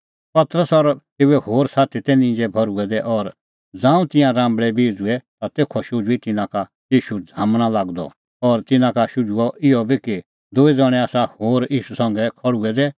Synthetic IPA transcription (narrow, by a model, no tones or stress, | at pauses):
pɐt̪ɾəsɔɾt̪eːɛhoːɾsaːt̪ʰit̪ɛnĩd͡ʒɛbʱɐɾuɛd̪ɛʔɔɾ | d͡zãːũt̪ɪ̃jãɾãːmbɭɛbiːd͡zuɛt̪at̪eːkʰɔʃʊd͡zuit̪ɪnãka | jiːʃud͡zʱaːmɽ̃alaːɡd̪ɔ̰ | ɔɾt̪ɪnãkaʃʊd͡zuɔʔɪɔbʱiki | d̪ʊid͡zɐɽ̃ɛ̃aːsahoːɾiːʃusɐ̃ŋɡɛkʰɔɽuɛd̪ɛ